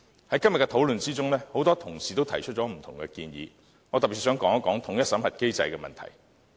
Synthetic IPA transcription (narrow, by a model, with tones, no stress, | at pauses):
hɐ˨˥jkɐ˥mjɐ˨tkɛ˧t̪ʰwlɵ˧nt͡siː˥t͡sʊ˥ŋlɛː˥ho˨˥wt̪ɔː˥t̪ʰʊ˨˩ŋsiː˨˩t̪o˥wtʰɐ˨˩jt͡ʃʰt̚t͡ʃɔː˨˥m̩˨˩t̪ʰʊ˨˩ŋkɛ̰ː˧kiː˧njḭː˨˧ | ŋɔ˨˧t̪ɐ˨p̚i˨˩tsœː˨˥ŋkɔː˨˥ŋ˥kɔː˨˥ŋt̪ʰʊ˨˩ŋjɐ˥t̚sɐ˨˥mhɐ˨t̚ke˥jt͡sɐ̰˧jkɛ˧mɐ̰˨nt̪ʰɐ̰˨˩j